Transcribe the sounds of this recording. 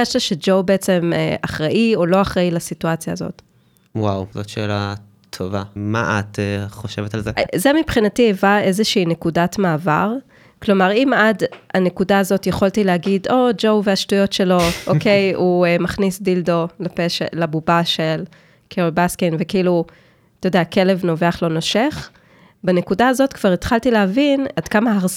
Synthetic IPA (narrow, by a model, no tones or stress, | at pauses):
jɛʃlaʃed͡ʒowbeet͡se̞mḛʔaχʁaʔio̞lo̞aχʁailasituat͡sja̰ːzo̞̰t | wawzotʃela | tʰo̰vama̰ʔa̰teχoʃevetalzezemipχinatievae̞zeʃiinekudatmaːvaʁ | klo̞maʁimadanekudaːzo̞tjeχoltileɦaɡido̞d͡ʒo̞wveaʃtujo̞tʃe̞lo̞ʔoke̞juemaχnisdildo̞lapeʃelabubaʃel | kʰeolbaskenvekiilu | t̪ojodeake̞le̞vno̞veaχlo̞no̞ʃe̞χ | bene̞kudaazo̞tkv̥aʁit̪χaltileɦavinadkamaaʁ